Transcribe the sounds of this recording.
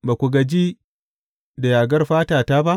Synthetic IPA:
ba˨kʷu˨ɡɐ˨d͡ʒiː˦ | da˨jaː˨ɡɐ˦rɸaː˦taː˨taː˦ba˦ʔ

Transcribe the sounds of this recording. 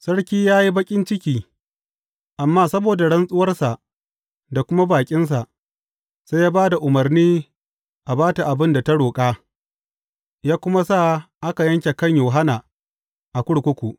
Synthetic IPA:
sɐ˦ɽkʲiː˦jaː˦ji˦bɐ˦kʲʼɪ˦nt͡ʃɪ˦kʲiː˦ | ʔa˨mːaː˦sɐ˦boː˨da˨ɽɐ˦nsʼʊ˦wɐ˦rsa˨ʔ | da˨kʷʊ˦ma˦baː˨kʲʼɪ˦ns̬a˨ʔ | se˦jaː˦baː˦da˨ʔʊ˨mɐ˨rniː˦ | ʔa˨baː˦ta˨ʔa˨bɪ˦nda˨ta˦ɽoː˨kʼaː˦ | jaː˦kʷʊ˦ma˦sa˦˨ʔa˦ka˨jɐ˦ŋkʲe˨kɐ˦ɲjoː˨ɦa˦naː˨ | ʔa˨kʷʊ˦ɽkʷʊ˦kʷu˨ʔ

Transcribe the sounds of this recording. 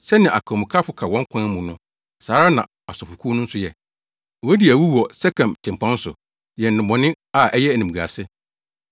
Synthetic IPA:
sɛ˦nɪ̃˨ʔa̰˨kʰɔ̃˨mũ˨kʰa˦fʊ˦kʰa˨wɔ̃˦ŋ˦kʰʷã˦mũ˨nʊ̃˦ | saː˨˦ɾa˦nã̰˨ | ɔ˨sɔ˨fʊ˨kʰu˦nʊ̃˦n̩˦sʊ˦jɛ˨ | ɛ˦di˨æ˨wu˦wɔ˨sɛ˦kʰã˨mtʰɪ̃˨m˨pʰã˦n˦sʊ̰˨ | jɛ˨n̩˨nɪ̃˨mɔ̃˨nɪ̃˦ | a˨ʔɛ˦jɛ˦æ˨nĩ˨m˨ɡa̰˨sɪ˦

